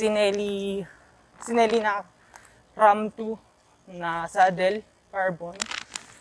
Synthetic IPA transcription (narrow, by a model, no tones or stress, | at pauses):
sinɛli | sinɛlina | ramt̪u | nasadɛl | karbɔn